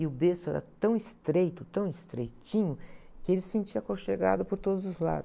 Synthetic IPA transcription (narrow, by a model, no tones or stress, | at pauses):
ɪʊbesʊɛ̰ɾɐ̰t̪ɐ̃w̃ɪst̪ɾejt̪ʊt̪ɐ̃w̃ɪst̪ɾejt͡ʃĩɲʊkɪelɪsẽnt͡ʃiɐkoʃeɡa̰d̪ʊpoɾt̪od̪ʊzʊzla̰d̪